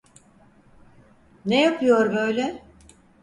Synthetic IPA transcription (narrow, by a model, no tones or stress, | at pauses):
nejapʰɯjo̞ɾbø̞jlʲɛ